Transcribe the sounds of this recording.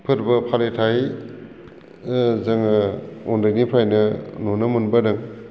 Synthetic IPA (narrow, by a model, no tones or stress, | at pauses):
pʰɯɾbɐpʰaletʰaj | zɐŋɔndɯknipʰajnɐnonɐmunbɐdɯŋ